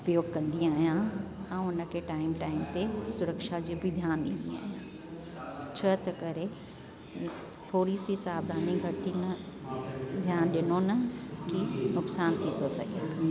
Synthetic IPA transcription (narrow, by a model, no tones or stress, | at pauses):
ʊpjoːɡkɐ̃nd̪iaːɦijãɛ̃ːʊnə̆kʰeʈaːɪmʈaːɪmt̪esʊɾəkʃad͡ʑibʱɪd̪ʱjaːnɗɪ̃nd̪ia̰ːɦijãː | t͡ɕʰɐt̪ɐkɐɾe | t̪ʰoːɾisisaːbd̪ʱaːnĩɡʱɐʈinɐ | d̪ʱjaːnɗɪnonɐkinʊksaːnt̪ʰit̪ʰosɐ̰ɡiaː